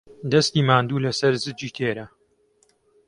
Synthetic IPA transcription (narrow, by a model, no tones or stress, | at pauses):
d̪ɐst̪iːmaːnd̪uːlɐsɐɾzɨd͡ʒiːt̪ʰeːɾɐ